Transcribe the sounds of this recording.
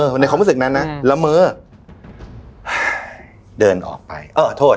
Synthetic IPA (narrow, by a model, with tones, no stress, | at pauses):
ɤː˧˩n˧kʰa˧ɾuː˦˥sɯ˨˩k̚na˦˥nːa˦˥la˧˥mɤː˦˥ | ʔa˧˩ | dɤː˧nʔɔ̰ː˨˩k̚pa̰˧jʔɤː˧˩t̪ʰːoː˥˩